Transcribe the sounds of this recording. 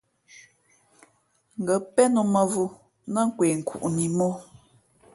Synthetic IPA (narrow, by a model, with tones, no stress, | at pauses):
ŋ̩˨ɡə˨˦pɛ˦nu˨mə˨vu˦ | nə˦ŋ̩˦kwe˨ŋ̩˨kʰṵ˨ʔni˨mɔ˦